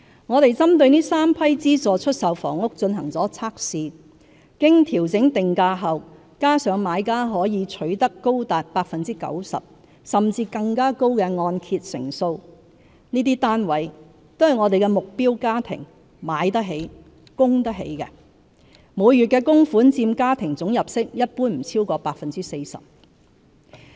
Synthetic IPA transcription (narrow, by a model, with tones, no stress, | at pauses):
ŋɔː˨˧ɾe˨jt͡sɐ˥mt̪ɵ˧ɥniː˥saː˥mpʰɐ˥jt͡siː˥sɔː˨˧t͡ʃʰɵ˥t̚sɐ˨wfɔ̰ː˨˩ŋʊ˥k̚t͡sɵ˧nɦɐ˨˩ŋt͡sɔː˨˥t͡sʰaː˥k̚siː˧ | kɪ˥ŋt̪ʰiː˨˩wt͡sɪ˨˥ŋt̪ɪ˨ŋkaː˧ɦɐ˨w | kaː˥sœː˨˥ŋmaː˨˧jkaː˥ɦɔː˨˥jiː˨˧t͡ʃʰɵ˨˥ɥt̪ɐ˥kːo˥wt̪aː˨t̚paː˧k̚fɐ˨nt͡siː˥kɐ̰˨˥wsɐ̰˨p̚ | sɐ˨mt͡siː˧kɐ˧ŋkaː˥ko˥wkɛː˧ŋɔː˧nkʰiː˧t̚sɪ̰˨˩ŋso˧w | niː˥t̪̬iː˥t̪aː˥nwɐ˨˥j | t̪œː˥˧ŋːɔː˨˧t̪e˨jkɛ˧mʊ˨k̚piː˥wkaː˥t̪ʰɪ̰˨˩ŋ | maː˨˥jt̪ɐ˥ɦe˨˥j | kʊ˥ŋt̪ɐ˥k̚ɦḛ˨˥jkɛ˧ | muː˨˧jːy˨t̚kɛː˧kʊ˥ŋfuː˨˥nt͡siː˧mkaː˥t̪ʰɪ˨˩ŋt͡sʊ˨˥ŋjɐ˨p̚sɪ˥k̚jɐ˥t̚puː˥nm̩˨˩t͡sʰiː˥wkɔː˧paː˧k̚fɐ˨nt͡siː˥se˧jsɐ̰˨p̚